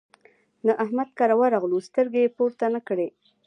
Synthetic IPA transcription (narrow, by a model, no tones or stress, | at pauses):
nəʔahmad̪̚kaɾawaɾaɣlust̪əɾɡejepoɾt̪anakɽe